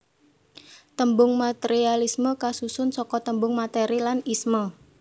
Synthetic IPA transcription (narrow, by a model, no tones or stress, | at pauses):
t̪əmbʊŋmat̪eɾialisməkasusʊnsɔkɔt̪əmbʊŋmat̪eɾilanismɔ